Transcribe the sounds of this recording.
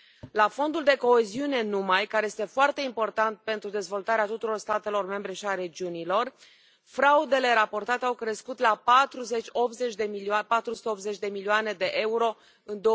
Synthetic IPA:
lafo̞nd̪uld̪e̞ko̞eziune̞numajkaɾe̞jest̪e̞foart̪e̞impo̞rt̪ant̪̚pe̞nt̪ɾud̪e̞zvo̞lt̪aɾeat̪ut̪uɾo̞rst̪at̪e̞lo̞rme̞mbɾe̞ʃiaɾe̞d͡ʒiunilo̞r | fɾaud̪e̞le̞ɾapo̞rt̪at̪e̞awkɾe̞skut̪lapat̪ɾuze̞t͡ʃʲo̞p̪ze̞t͡ʃʲd̪e̞miliapat̪ɾusu̥t̪eo̞pze̞t͡ʃd̪e̞milioane̞d̪e̞ʔe̞uɾo̞ | ɨnd̪o

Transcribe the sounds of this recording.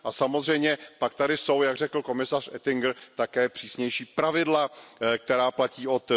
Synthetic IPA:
ʔasamo̞zr̝ɛjmɲɛpak̚t̪adɪso̞wjaɡr̝ɛkl̩ko̞mɪsarʔɛt̪ɪŋɡɾt̪akɛːpr̝̥iːsɲɛjʃiːpɾavɪdlak̚t̪ɛɾaːplaciːʔo̞t̪

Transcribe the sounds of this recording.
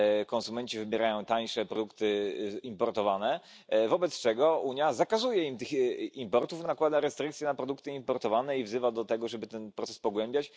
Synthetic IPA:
kɔ̃nsumɛɲt͡ɕivɘbʲjɛɾajɔ̃w̃t̪aɲʂɛpɾɔd̪ukt̪ɘimpɔɾt̪ɔvanɛ | vɔbɛt̪st͡ʂɛɡɔʔuɲjazakazujɛimt̪ɘximpɔɾt̪ufnakwad̪aɾɛst̪ɾɘkt̪sʲjɛnapɾɔd̪ukt̪ɘimpɔɾt̪ɔvanɛivzɘvad̪ɔt̪ɛɡɔʐɛbɘt̪ɛnpɾɔt̪sɛ̥spɔɡwɛmbʲjat͡ɕ

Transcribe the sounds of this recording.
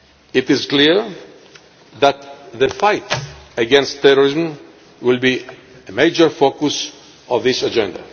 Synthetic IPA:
ɪtɪzkliɹ | ðæt̪ðəfajtəɡɛ̃nstʰːɛɾɔɹizm̩ | wɪlbi | əmeɪd͡ʒəɹfokus | ɔvðɪsad͡ʒɛ̃nda̰

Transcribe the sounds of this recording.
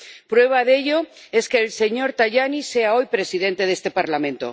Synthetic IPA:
pɾwe̞β̞aðe̞ʎo̞ | e̞ske̞ːlse̞ɲo̞ɾt̪aʝanise̞ao̞jpɾe̞sið̞e̞nt̪e̞ð̞est̪e̞paɾlamẽ̞nt̪o̰

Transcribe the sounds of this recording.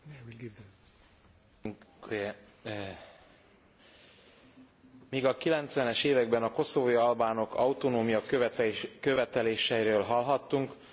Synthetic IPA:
miːɡɒkilɛnt̪sʋɛnɛʃeːvɛɡ̚bɛnɒko̞so̞voːjiɒlbaːno̞kɒwut̪onoːmijɒk̪køvɛt̪ɛleːʃɛjiɾøːlɦɒlɦɒt̪ːuŋk

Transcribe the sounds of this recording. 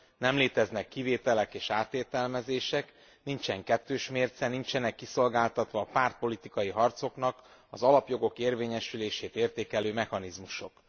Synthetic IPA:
nɛmleːt̪ɛznɛkːiveːt̪ɛlɛkeːʃaːt̪eːt̪ɛlmɛzeːʃɛk | nint͡ʃɛŋkɛt̪ːøːʃmeːrt̪sɛnint͡ʃɛnɛkːiso̞lɡaːlt̪ɒt̪ʋɒːpaːrt̪̚po̞lit̪ikɒjiɦɒrt̪so̞knɒkɒzɒlɒpjo̞ɡo̞keːrveːɲɛʃyleːʃeːt̪eːrt̪eːkɛløːmɛxɒnizmuʃo̞̰k

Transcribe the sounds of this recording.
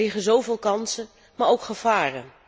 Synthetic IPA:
ɪχənzowvɪːlˠkɑnsə | maːɹowkχəv̥aːrən

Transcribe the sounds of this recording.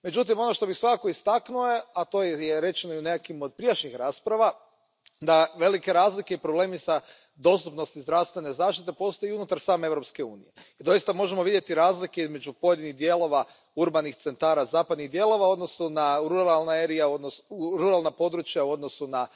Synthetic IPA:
me̞d͡ʒut̪̬imo̞no̞ʃt̪o̞bixsʋakako̞ist̪aknueat̪o̞ːjeɾe̞t͡ʃenoiune̞kakimod̪̚pɾiaʃɲixɾaːspɾaʋa | d̪aʋe̞like̞ɾaːzlike̞ipɾo̞ble̞ːmisa | d̪o̞st̪upno̞st̪izd̪ɾaʋst̪ʋe̞ne̞zaːʃt̪it̪̬e̞po̞st̪o̞jiunut̪aɾsaːmeeʋvɾo̞pske̞uːnije̞id̪o̞jist̪amo̞ʒemoʋid̪je̞t̪iɾaːzlike̞izme̞d͡ʒupo̞je̞d̪iniɣd̪je̞lˠo̞ʋa | uɾbanixt̪se̞nt̪aːɾazaːpad̪niɣd̪je̞lˠo̞ʋao̞d̪no̞sunaɾuɾalˠnaeɾijaod̪nosɾuɾalˠnapo̞d̪ɾut͡ʃjauo̞d̪no̞suna

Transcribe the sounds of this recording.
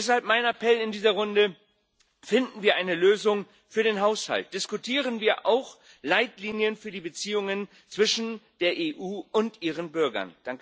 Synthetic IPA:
shalp̚maɪnapʰɛlɪndiːzɐʁʊndə | fɪndn̩viːɐʔaɪnəløːzʊŋ | fyːɐɾeːnɦaʊsha̰lt̚d̥ɪskʊtʰiːʁ̞ənviːɐʔa̰ʊx | laɪtliːnjənfyːɐdiːbət͡siːʊŋən | t͡sv̥ɪʃn̩d̥eːɐʔeːʔuːʊntʔiːʁənbʏɐɡɐ̰nd̥aŋk

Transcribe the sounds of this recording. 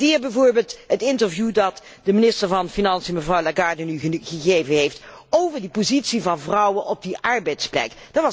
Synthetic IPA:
dɪːɹbɛjvʊːɹbeːlˠtɦətɪntəɹvjudɑt | dəmɪnɪstəɹvɑnfinɑnsiəməvrɑwlaɡaːɹdənyχəɣejvənɦejftowvəɹdipozitsivɑnvrɑwənʔɔb̚diʔɑɹbɛjtsplɛ̰kd̥ɑtʋɑ

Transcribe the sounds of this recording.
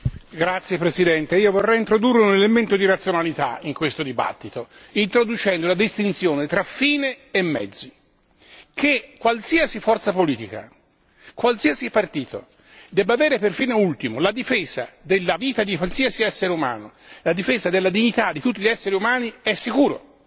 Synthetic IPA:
ɡɾat̪sːjepɾesid̪ɛnt̪eiːovorːɛjint̪ɾod̪urːeunelement̪od̪iɾat̪sːjonalit̪a̰iŋkwest̪od̪iba̰t̪ːit̪o | int̪ɾod̪ut͡ʃɛnd̪olad̪ist̪int̪sjoːnet̪ɾafiːneːmːɛ̰d̪zːi | kʰekːwalsiasifɔrt̪sapoliːt̪ika̰ | kwalsiːasipart̪iːt̪o̰ | d̪ɛbaveːɾeperfiːnoult̪imolad̪ifeːz̥a̰d̪elːaviːt̪ad̪ikwalsiːasiɛsːeɾeuma̰ːnolad̪ifeːzad̪elːad̪iɲːit̪ad̪ːit̪ut̪ːiʎiɛsːeɾiumaːniɛsːikuːɾo̰

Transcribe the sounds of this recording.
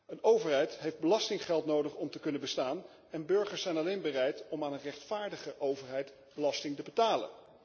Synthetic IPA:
ənowvəɹɦɛjtɦejfd̚bəlɑstɪŋχɛlˠtnowdəχɔmtəkɵnənbəstaːn | ɛnbɵɹχəɹsɛjnɑlejnbərɛjtɔmaːnənrɛχtfaːɹdəχəʔowvəɹɦɛjt | b̥əlɑstɪŋtəbətaːlə̰n

